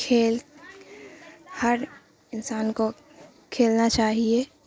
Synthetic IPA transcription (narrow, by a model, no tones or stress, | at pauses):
kʰeːl | həɾ | ɪnsaːnko | kʰeːlnat͡ʃaːɦie